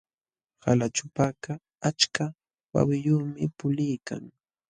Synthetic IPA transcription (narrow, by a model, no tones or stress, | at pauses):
halat͡ʃʊpaka | at͡ʃka | wa̰wɪjʊːmɪpʊlɪjka̰ŋ